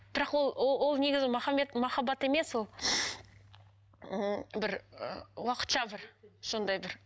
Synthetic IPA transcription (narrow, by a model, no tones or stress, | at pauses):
b̥ɪɾɑqwolˠowo̞lˠne̞ɡʲɪzɪmɑχɑmet̪mɑχɑbɑt̪e̞me̞swo̞lˠ | bɪɾə̰wɑqə̥t̪ʃɑbɪɾʃond̪ɑjbɪɾ